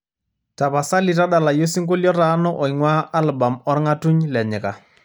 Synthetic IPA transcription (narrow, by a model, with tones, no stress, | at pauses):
ta˨ba˨sa˦lɪ˨ɾa˦ɗa˨la˨jo˦si˦ŋ˦kʊ˦ljɔ˦ɾa˨˦nɔ˦ʔɔ˨i˨ŋwa˦a˦lba˨mɔ˦ɾɪ˦ŋa˦tu˦ɲlɛ˨ɲɪ˨ka˨